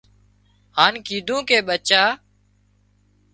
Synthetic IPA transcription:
ɦaːnkiːd̪ʱũːkeːɓət͡ʃaː

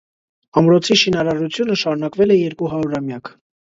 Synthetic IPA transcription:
ɑmɾɔt͡sʰiʃinɑɾɑɾut͡sʰjunəʃɑɾunɑkvɛlɛjɛɾkuɦɑɾuɾɑmjɑkʰ

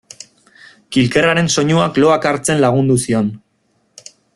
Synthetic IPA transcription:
kilke̞raɾe̞nso̞ɲuaklo̞akaɾt͡se̞nlaɣ̞und̪usio̞n

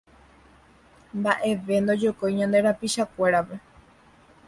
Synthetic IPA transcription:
mbaʔe̞ʋe̞nd̪o̞d͡ʒokojɲãnd̪e̞ɾapiʃakʷe̞ɾape

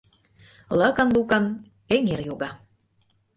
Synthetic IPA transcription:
lə̆kə̆nlukə̆n | eŋerjoɣɑ

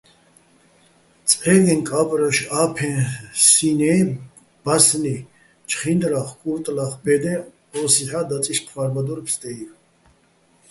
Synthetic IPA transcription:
t͡sʼħɛɡɛ̃nkʼapʼɾaʃapʰɛ̃sinɛː | b̥asni | t͡ʃʰʼχind̪ɾaχkʼuɾt̪ʼlaχbɛd̪ɛ̃ | ɔːsiħad̪at͡sʼiʃqʰvaɾbad̪ɔɾpst̪ʼɛi

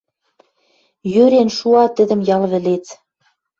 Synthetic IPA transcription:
jøɾenʃuɑt̪ɘ̆d̪ə̆mjɑlβɘ̆let͡s

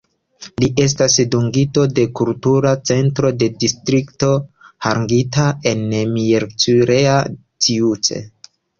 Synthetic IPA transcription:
liʔe̞s̬tasduŋɡito̞de̞kultuɾat͡se̞ntɾo̞de̞distɾikto̞haŋɡitae̞nmieɾt͡suɾea | tʰiut͡sḛ

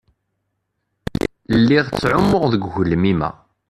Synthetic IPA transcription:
lːiʁt͡sːʕʊmːʊʁðəɡʝəlːəmimæ̰

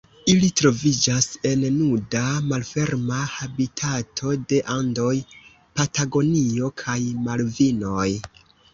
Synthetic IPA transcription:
ilitɾo̞vid͡ʒase̞nnudamalfe̞ɾmahabitʰatʰo̞de̞ʔando̞j | pataɡo̞nio̞kʰajmalvino̞j

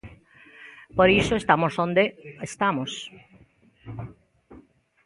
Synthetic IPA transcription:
poɾisoest̪amosõnd̪eest̪amos

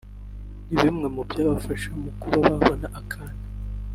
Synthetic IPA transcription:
niβimŋe̞mubjaβafaʃaumukuɾaβaβonaʔakʰani

